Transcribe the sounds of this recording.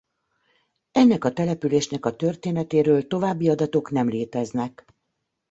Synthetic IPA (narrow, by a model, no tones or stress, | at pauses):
ɛnːɛkɒt̪ɛlɛpyleːʃnɛkɒt̪ø̞rt̪eːnɛt̪eːɾøːlt̪o̞vaːbːiɒd̪ɒt̪o̞knɛmleːt̪ɛznɛk